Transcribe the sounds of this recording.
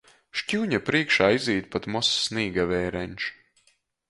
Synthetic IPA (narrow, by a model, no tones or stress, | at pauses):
ʃcʲuːɲapɾiɛkʃaːiziːt̪̚pat̪mɔsːniːɡavɛːɾɛnʲʃ